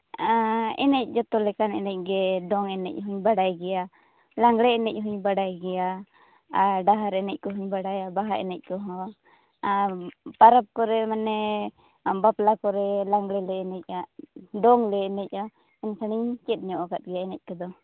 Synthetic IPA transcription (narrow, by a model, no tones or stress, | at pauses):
aɛ̰nɛc̚ˀd͡ʒɔt̪ɔlɛkanɛnɛc̚ˀɡɛɖɔŋɛnɛc̚ˀɦuɲbaɽajɡɛja | laŋɡɽɛɛnɛc̚ˀɦuɲbaɽajɡɛja | aɾɖaɦaɾɛnɛc̚kɔɦuɲbaɽajabaɦaʔɛ̰nɛc̚kɔɦɔ̃ | paɾap̚kɔɾɛmanɛ | baplakɔɾɛlaŋɡɽɛlɛːnɛc̚aʔɖɔŋlɛːnɛc̚a | ɛnsaɽ̃iɲt͡ʃɛt̪̚ˀnɛɔʔkat̪̚ɡɛjaɛnɛc̚kɔd̪ɔ